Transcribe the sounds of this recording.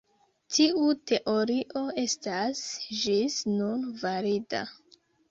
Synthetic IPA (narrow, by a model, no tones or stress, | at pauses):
tʰiʔute̞ʔo̞ɾiʔo̞e̞stasd͡ʒisnunvaɾita̰